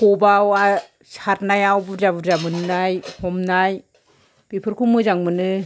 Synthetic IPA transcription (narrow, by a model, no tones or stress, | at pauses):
kɔbawa | saɾnajawbuzabuɾzamɯnɯnajhɔmnaj | b̥ipʰɯɾkʰumɯzaŋmɯnɯ